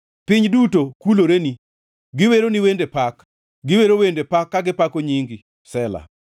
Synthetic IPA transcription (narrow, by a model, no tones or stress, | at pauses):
pɪɲdutokuloɾeni | ɡɪweɾoniwendepak | ɡɪweɾowendepakːaɡɪpakoɲiŋɡi | sɛla̰